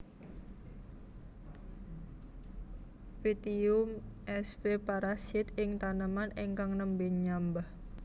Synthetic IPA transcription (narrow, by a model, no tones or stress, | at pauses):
fit̪iumʔɛsbepaɾasɪt̪ɪŋt̪anəmaneŋkaŋnəmbɪŋɲambah